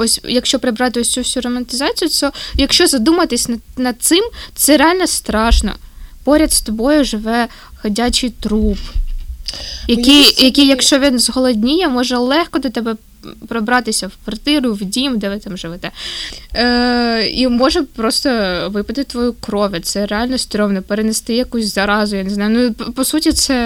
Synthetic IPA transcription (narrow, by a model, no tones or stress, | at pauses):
ɔsʲjɐkʃt͡ʃɔpɾɪbɾɑt̪ɪɔsʲt͡sʲusʲuɾɔmɐnt̪ɪzɑt͡sʲijʊt̪sɛjɐkʃt͡ʃɔzɐd̪umɐt̪ɪsʲnɐnɐd̪̚t̪sɪmt̪sɛɾeɑlʲnɔst̪ɾɑʃnɔ̰pɔɾʲɐt̪st̪ɔbɔjʊʒɪʋɛ | hɐdʲat͡ʃɪjt̪ɾup | jɐkijjɐkijɐkʃt͡ʃɔʋʲinzɦɔlˠɔdʲnʲijɛmɔʒɛlˠɛxkɔd̪ɔt̪ɛbɛ | pɾɔbɾɑt̪ɪsʲɐwkʋɐrt̪ɪɾʊwdʲimd̪ɛʋɪt̪ɑmʒɪʋɛt̪ɛ | imɔʒɛpɾɔst̪ɔʋɪpɐt̪ɪt̪ɪt̪ʋɔjukɾɔʋʲɐt̪sɛɾeɑlʲnɔsʲt̪ʲɾʲɔʋnɔpeɾenest̪ɪjɐkusʲzɐɾɑzʊjaneznɑjʊnupɔsutʲit̪sɛ